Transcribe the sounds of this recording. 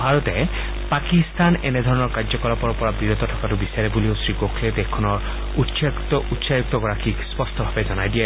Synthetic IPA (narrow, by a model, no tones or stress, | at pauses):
bʱaɹɔtɛ | pakist̪anɛ̰nɛdʱɔɹɔnɔɹkazɔkɔlɔpɔɹɔɹpɔɹabiɹɔt̪ɔtʰɔkatʊbisaɹɛbuliosɹikokʰled̪ɛkʰːɔnɔɹ | utstɔutsajuk̚t̪ɔɡɔɹakʰikspɔstʰɔbʱabɛzɔnajdiɛ